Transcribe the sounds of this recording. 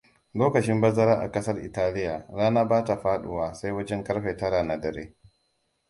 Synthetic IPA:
loː˦kɐ˨t͡ʃɪ˦mbɐ˦zɐ˦ɾaː˦ʔa̰˨kɐ˦sɐ˦rʔɪ̰˨taː˦lɪ˦jaː˨ɾaː˦naː˦baː˦ta˨ɸaː˦ɗʊ̰˨waː˨sa˦jwɐ˦d͡ʒɛ˦ŋkɐ˦ɾɸe˨tɐ˦ɾaː˨na˨dɐ˨ɾeː˦

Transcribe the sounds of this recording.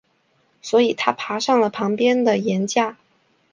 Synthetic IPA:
swɔ˧˥i˨˩t̪ʰa˥pʰa˧˥ʂɑ˥˩ŋlə˩pʰɑ˧˥ŋpjɛ˥nd̪ə˨jɛ˧˥nt͡ɕja˥˩

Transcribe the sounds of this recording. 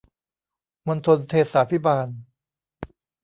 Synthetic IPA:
mo˧nt̪ʰo˧nt̪ʰeː˥˩t̪̚saː˨˦pʰi˦˥baː˧n

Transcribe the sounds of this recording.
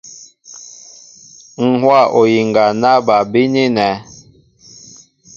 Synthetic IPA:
ŋ̩˨hwa˦˨ʔo˨ji˨ŋɡa˨na˦ba˨bi˦ni˦nɛ˨˦

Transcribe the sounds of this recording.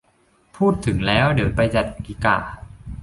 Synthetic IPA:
pʰuː˥˩t̪ʰːɯ˩˦ŋlɛː˦˥wdɯ˨˩˦wpa˧jt͡ɕa˨˩t̪̚ki˧˦ka̰ː˧˩

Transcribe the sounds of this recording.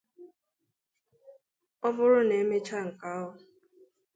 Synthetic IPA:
ɔ˦bʊ˦ɾʊ˦ne˨˦me˦t͡ʃa˦ŋ̩˨ka˦ɦʊ˦

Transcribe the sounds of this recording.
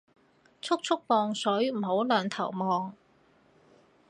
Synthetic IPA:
t͡sʰʊ˥k̚t͡sʰʊ˥k̚pɔː˨˧ŋsɵ˨˥ɥm̩˨˩ɦo˨˥wlœː˨˩ŋt̪ʰɐ˨˩wmɔː˨ŋ

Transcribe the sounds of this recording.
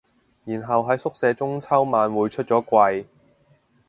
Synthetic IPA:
jiː˨˩nɦɐ˨wɦɐ˨˥jsʊ˥k̚sɛː˨˧˥t͡sʊ˥ŋt͡sʰɐ˥wmaː˨˧nwuː˨˧jt͡ʃʰɵ˥t̚t͡ʃɔː˨˥kʷɐ˧j

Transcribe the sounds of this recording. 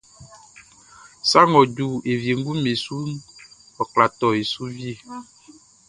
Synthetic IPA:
sa˦ŋɔ̃˨d͡ʒu˨e˨vi˨e˨ŋ˦ɡu˦me˨su˦n˦ | ɔ˨kla˨t̪ɔ˨e˨su˦vi˦e˨

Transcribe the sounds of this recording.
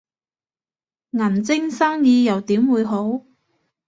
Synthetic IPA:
ŋɐ˨˩nt͡sɪ˥ŋsaː˥ŋjiː˧jɐ˨˩wt̪iː˨˥mwuː˨˧jɦo˨˥w

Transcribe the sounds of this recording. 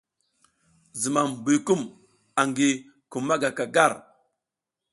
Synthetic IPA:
zi˨ma˨m˨bu˨ku˦m | a˨ŋɡi˨ | ku˨ma˦ɡa˨ka˨ɡa˦˨ɾ

